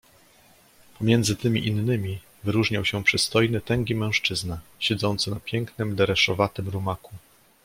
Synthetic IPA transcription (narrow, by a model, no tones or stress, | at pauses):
pɔmʲjɛnd̪zɘt̪ɘmʲḭʔinːɘmʲi | vɘɾuʐɲawɕɛpʂɘst̪ɔjnɘt̪ɛŋɡʲimɛ̃w̃ʂt͡ʂɘznaɕɛd̪zɔnt̪sɘnapʲjɛŋknɘmd̪ɛɾɛʂɔvat̪ɘmɾumaku